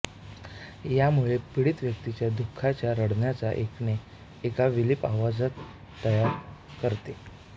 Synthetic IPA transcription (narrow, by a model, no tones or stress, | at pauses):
jamuɭepiɽiːt̪ʋjək̚t̪it͡ɕjad̪ukʰːat͡ɕjaɾəɽnjat͡sa̰ʔekneː | kaʋilipaʋad͡zət̪ː | əjaɾ | kəɾt̪e